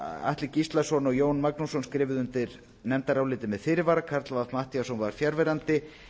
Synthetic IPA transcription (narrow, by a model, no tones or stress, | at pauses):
a̰ht̪lɪcist̪lasɔnɔɣjoːwnmaknusɔnskɾɪːvɪðʏnt̪ɪɾ | nɛmt̪aɾawlɪːt̪ɪmɛðfɪɾɪvaɾakʰaɾt̪lavaðmaht̪iasɔnvaɾ̥fjaɾvɛɾant̪ɪ